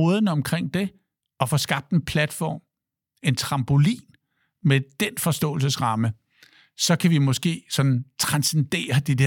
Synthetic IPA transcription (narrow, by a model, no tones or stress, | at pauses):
ɔːðˠnəɒ̽mkʰʁeŋ̰d̥e̝ | ɒ̽fɒ̽ːsɡ̥ɑ̈b̥̚d̥enpʰlæd̥fɒ̰ːm | e̝nt͡sʰʁɑ̈mb̥o̝lḭːn | med̥enfɒ̽sd̥ɔ̰̽ːl̩s̬əsʁɑ̈mə | sɒ̽kʰæʋimɔ̽sɡ̥e̝̰ːsɒ̽d̥n̩t͡sʰʁɑ̈nsend̥e̝̰ːɐd̥id̥e